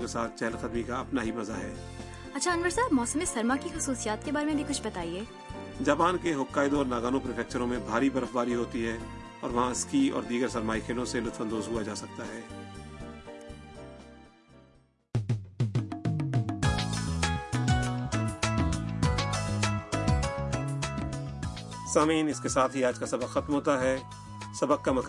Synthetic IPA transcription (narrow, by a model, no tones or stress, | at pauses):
kesaːt̪̚ʰt͡ʃɛɦlxɐd̪mikaɐpnaɦimɐzaɦɛː | ɐtːʃʰaɐnʋəɾsaːbmɔːsəmɪsɐɾmakixɐsuːsijaːt̪̚kebaːɾemẽbʱikʊt͡ʃʰbɐt̪aːieː | d͡ʒaːpaːnkeɦʊkːaːɪd̪õɔːɾnaːɡaːnõpɾɪfʰɛːk̚t͡ʃəɾõmẽbʱaːɾibɐɾəfbaːɾiɦoːt̪iɦɛ̃ | ɔːɾʋɐɦãɪskiɔ̰ːɾd̪iːɡəɾsɐɾmaːixʰeːlõselʊt̪fə̃nd̪oːzɦuad͡ʒaːsɐk̚t̪aɦɛː | saːmiːnɪskesaːt̪ʰɦiaːd͡ʒkasɐbəkxɐt̪mɦoːt̪aɦɛː | sɐbək̚kamɐk